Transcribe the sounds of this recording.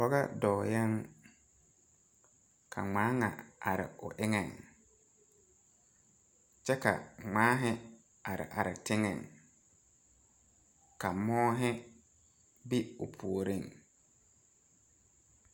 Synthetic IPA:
pɔ˦ɣa˦dɔː˨ja˦ŋ | kʰa̰˨ŋ͡maː˨˦ŋa̰˨a˨ɾɪ̰˨ʊ̰˨ʔɪ˦ŋɛ˨ŋ | t͡ʃɛ˦ka̰˨ŋ͡maː˨˦ɦɪ˦ | a˨ɾɪ̰˨ʔa˨ɾɪ˨tɪ˦ŋɛ̰˨ŋ | ka˨mɔː˦ɦɪ˦ | bi˦ʊ˨pʰu˨o˨ɾi˦ŋ

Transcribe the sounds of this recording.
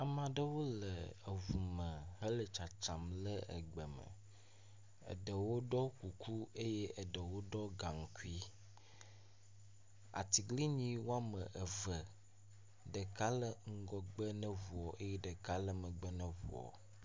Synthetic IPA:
a˨mã˨ɖə˦wo˦lə˨ə˨vu˨mə˨ɦə˦lə˨t͡ʃa˨t͡ʃa˨mlə˦ə̰˨ɡ͡bə˨mə̰̃˨ | ə̰˨ɖə˨wo˦ɖɔ˦ku˨kʰu˦e˦je˦ʔə˨ɖə˨wo˦ɖɔ˦ɡa˨ŋ̩˨ku˦i˦ | a̰˨t̪i˨ɡli˦ɲĩ˦wo˦a˦mə˨ʔə˨və˨ | ɖə˨ka˦lə˦ŋ̩˦ɡɔ˨ɡ͡bə˦nə̃˦vu˨ɔ˨ʔe˦je˦ɖə˨ka˦lə˦mə̃˨ɡ͡bə˦nə̃˦vṵ˨ɔ̰˨

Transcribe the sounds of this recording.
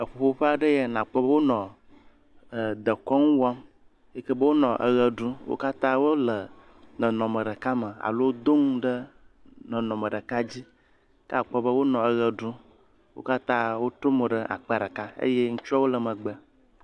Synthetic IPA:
ə˨ɸo˨ɸo˦ɸe˦a˨ɖə˦je˦nã˨k͡pɔ˦bə˦wo˦nɔ̃˨ | d̪ə˨kɔ˦ŋũ˦wa˦m | je˦kə˦bə˦wo˦nɔ̃˨ʔə̰˨ɣə˨ɖũ˦wo̰˦ka˦t̪ã˦wo˦lə˨ | nɔ̃˨nɔ̃˨mə˨ɖə˨ka˦mə˨a̰˨lo˦wd̪o˦ŋ˦ɖə˦ | nɔ̃˨nɔ̃˨mə˨ɖə˨ka˦d͡ʑi˦ | ka˨k͡pɔ˦bə˦wo˦nɔ̃˨ə˨ɣə˨ɖu˦ | wo̰˦ka˦t̪ã˦wo˦t̪ɾo˦mo˨ɖə˦ʔa̰˨k͡pɛ˦˨ɖə˨ka˦ə̰˦je˦ŋũ˦t͡ʃu˦a˦wo˦lə˨mə̃˨ɡ͡bə˨

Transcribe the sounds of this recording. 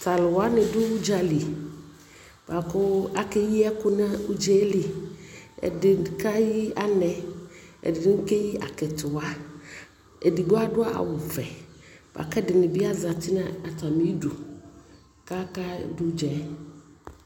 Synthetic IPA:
t̪ʰa˨lɪ˨wa˦nɪ̃˨dʊ˦d͡ʒa˨li˨ | ba˨kʊ˦a˦kɛ˦ji˦ɛ˦kʊ˦nã˦u˦d͡ʒɛ˦li˨ | ɛ̰˨dɪ˨ka˦ji˦a˦nɛ̃˨ɛ̰˨dɪ˨˦ŋ̩˦ke˦ji˦ʔa̰˨kɛ˨t̪ʰʊ˨a˦ | e˨di˨ɡ͡bʊ˦a˦dʊ˦a˦ʔa̰˨wʊ˨fɛ˨b̥a̰˨kɛ˦dɪ˨nɪ̃˨bɪ˦a˦za˨tɪ˦nã˦a˨t̪a˨mĩ˦du˨ | ka˦ka̰˦dʊ˦d͡ʒɛ˨˦

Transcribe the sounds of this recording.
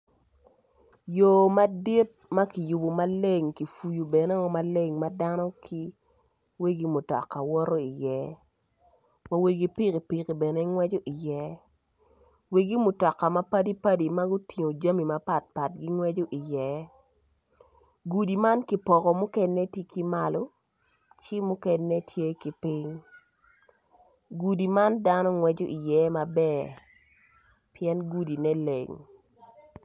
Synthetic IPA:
jo˨ma˦di˦t̚ma˦ki˨ju˨bo˨ma˦le˦ŋki˨fu˨ju˨bɛ˨nɛ˦ɔ˦ma˨le˦ŋma˦da˦nɔ˦kʰi˦ | we˦ɡi˦mu˨tɔ̰˨kːa˨wɔ˦ɾɔ˦i˨jɛ˨˦ | wa˨we˨ɡi˨pi˦ki˨pi˨ki˨bɛ˨nɛ˦ŋwɛ˦d͡ʒo˦ʔi˨jɛ˨˦ | we˨ɡi˦mʊ˨tɔ˨kːa˨ma˦pa˦di˦pa˦di˨ma˦ɡu˦ti˨ŋo˨d͡ʒa˦mi˨ma˨pa˨t̚pa˨t̚ɡi˦ŋwɛ˦d͡ʒo˦ʔi˨jɛ˦ | ɡu˨di˨ma˦nki˨pɔ˨kɔ˨mʊ˦kɛ˦nːɛ˦te˦ki˦ma˦lo˦ | t͡ʃɪ˦mʊ˦kɛ˦nːɛ˦tʰje˦ki˨pɪ˦ŋ | ɡu˨di˨ma˦nda˦nɔ˦ŋwɛ˦d͡ʒo˦ʔi˨jɛ˦ma˨bɛ˦˨ | pjɛ˦nɡu˦di˨nɛ˦lḛ˨ŋ

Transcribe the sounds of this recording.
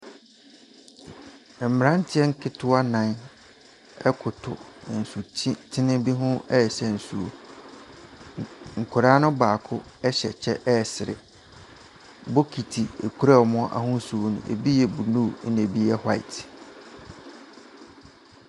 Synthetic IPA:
ɛ˨m̩˨m˨ɾã˦n̩˦tʰɪ˦ɛ˦ŋ̩˦kʰɪ˦tʰʊ˦a˦nã˨˦n | ɛ˦kʰʊ˨tʰʊ˨n̩˨sʊ˨˦tʰɪ˦nɪ̃˦bi˦ɦʊ̃˦ɛ˦˨ɕɛ˨n̩˨su˨o̰˨ | ŋ̩˨kʰʊ˨ɾaː˦nʊ̃˦baː˨kʰʊ˦ɛ˦ɕɛ˨t͡ɕʰɛ˦ʔɛ˦˨sɪ˨ɾɪ̰˨ | bo˦kʰi˨tʰi˨ḛ˨kʰu˦ɾa˦˨ɔ˨mɔ̃˦ʔa̰˨hʊ̃˦n˦su˨o˨nʊ̰̃˨ʔḛ˨bi˦jɛ˨bu˨nũ˦˨˦n˨e˨bi˦jɛ˦ha˦ɪ̰˨tʰ

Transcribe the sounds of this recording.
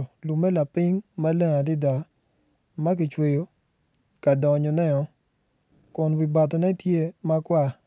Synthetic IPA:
lu˨mɛ˦la˨pɪ˦ŋma˦le˦ŋa˨dɪ˦da˨ | ma˦k̬ɪ˨t͡ʃwe˨jo˨ | ka˨dɔ˨ɲɔ˨nɛ˦ɔ˨ | kʊ˨nwi˨ba˨tɔ˨nɛ˦tje˦ma˦kwa˦

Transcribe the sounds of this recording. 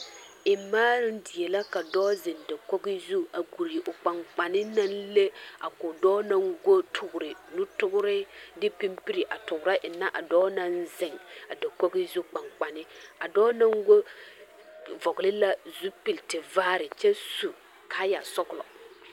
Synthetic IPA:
ɪ˨maː˦ɾɪ˦ndɪ˨je˨la˦ka˨dɔː˦zɪ˨nda˨kɔ˦ɡɪ˦zu˦a˨ɡu˨ɾi˨ʔʊ˨k͡pa˨ŋk͡pa˨nɪ˦na˦nle˦a˨kʊ˨dɔː˦na˦ŋɡo˦tʰʊ˨ɡʊ˨ɾɪ˨nʊ˦tʊ˦ɡʊ˦ɾɪ˦dɪ˦pi˦mpi˦ɾi˨ʔa˨tʊ˨ɡʊ˨ɾa˦ʔɪ˨na˦ʔa˨dɔː˦na˦nzɪ˨ŋa˨da˨kɔ˦ɡɪ˦zu˦k͡pa˨ŋk͡pa˨nɪ˦a˨dɔː˦na˦ŋɡo˦ | vɔ˨ɡlɪ˦la˦zu˦pɪ˨ltɪ˨vaː˦ɾɪ˨t͡ʃɛ˦su˨ | kʰa˦ja˨sɔ˦klɔ̰˨

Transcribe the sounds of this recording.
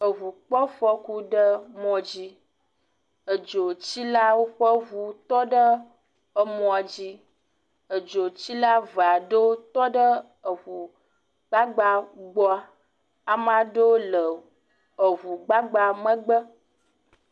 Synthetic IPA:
ə˨vu˨k͡pɔ˦fə˦ku˦ɖə˦mɔ̃˨d͡ʑi˦ | ə˨d͡ʒo˨t͡ɕi˦la˦wo˦ɸə˦vu˨t̪ɔ˦ɖə˦ | ə˨mɔ̃˨a˨d͡ʑi˦ | ə˨d͡ʒo˨t͡ɕi˦la˦va˨ɖə˦t̪ɔ˦ɖə˦ | ə˨vu˨ | ɡ͡ba˦ɡ͡ba˦ɡ͡bɔ˦a˦ | a˨mã˨ɖo˦lə˨ | ə˨vu˨ɡ͡ba˦ɡ͡ba˦˨mə̃˦ɡ͡bə˦

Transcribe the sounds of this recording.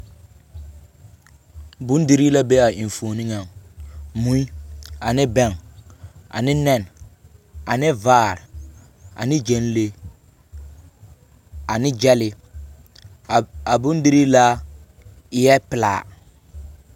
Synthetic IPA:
bʊ̃˦ndi˦ɾi˦la˦be˦a˨ʔi˨ɱ˨fo˨ni˦ŋa˨ŋmũ˨˦i˦a˨nɪ˦bɛ˦˨ŋ | a̰˨nɪ˦nɛ˨n | a˨nɪ˦vaː˦˨ɾ | a̰˨nɪ˦d͡ʒɛ˨n˦le˦ | a˨nɪ˦d͡ʒɛ˦lɪ˨ | a˨bʊ̃˦n˦di˦ɾi˦la˦ | ɪ˦jɛ˦pɪ˨la̰ː˨

